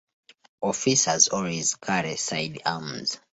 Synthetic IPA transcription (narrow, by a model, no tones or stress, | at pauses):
ɔfisazɔlezkʰaɾesajdamz̥